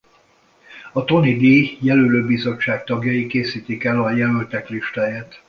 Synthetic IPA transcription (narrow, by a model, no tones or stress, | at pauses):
ɒt̪o̞nid̪iːjɛløløːbizo̞t͡ʃːaːk̚t̪ɒɡjɒjikeːsiːt̪ikɛlɒjɛlølt̪ɛkliʃt̪aːjaːt̪